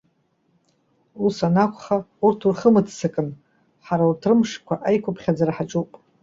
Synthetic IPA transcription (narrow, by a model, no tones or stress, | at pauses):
usanakʷʰʼχaurtʰurχəmɨtʰsɨkʼɨn | ħaɾautʰrɨmʂkʷʰaʔajkʷʊpʰχʲad͡zaraħat͡ʃʼupʼ